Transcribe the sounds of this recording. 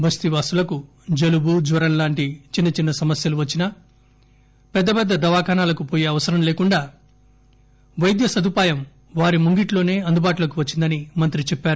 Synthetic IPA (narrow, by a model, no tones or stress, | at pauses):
bʱɐst̪iʋaːsulɐku | d͡ʒɐlubud͡ʒʋɐɾɐmlaːɳʈit͡ʃinːɐt͡ʃinːɐsɐmɐsjɐluʋɐt͡ʃːinɐ | pɛd̪ːɐpɛd̪ːɐd̪ɐʋaːkaːnaːlɐkupoːjeːɐʋɐsɐɾɐmle̞ːkuɳɖaː | ʋɐjd̪jɐsɐd̪upaːjɐm | ʋaːɾimuŋɡiʈlo̞ːne̞ːɐnd̪ubaːʈulɐkuʋɐt͡ʃːind̪ɐnimɐnt̪ɾit͡ʃɛpːaːɾu